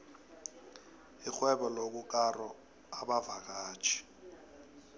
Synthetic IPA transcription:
ik͡xwɛɓɔlok̬uk̬ʼarɔ | aɓavak̬ḁːt͡ʃʰʼi̥

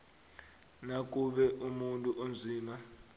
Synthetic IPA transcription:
nak̬uɓɛʔumuntʼuʔond͡zʱiːma

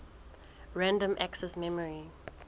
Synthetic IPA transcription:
ɹæ̃ndə̃mʔæksɛsmɛməɹi

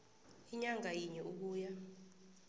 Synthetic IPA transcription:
iɲaŋajiɲɛʔuk̬uːja

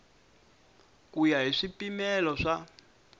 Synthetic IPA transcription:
kujaɦiʂipimɛlɔʂa

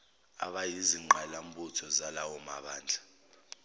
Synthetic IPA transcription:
a̰ɓajiziŋ͡ǃʱalam̩butʰɔzalawɔma̰ɓaːnd͡ɮʱa

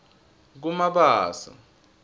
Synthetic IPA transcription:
k̬umaɓaːsa̰

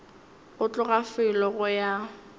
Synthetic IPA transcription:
ɣʊt͡ɬʼʊɣafɪlɔɣʊja

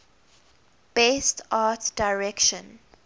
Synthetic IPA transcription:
b̥estatdaɪɹɛkʃɔ̃n

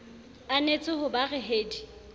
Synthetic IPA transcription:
anet͡sʼɪɦʊbarɪɦeːdi

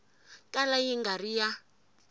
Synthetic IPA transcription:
kʼalajiŋɡarija

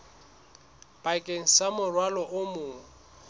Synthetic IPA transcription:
b̥ʼakʼeŋ̩samʊrwalɔʔʊmʊːŋ̩

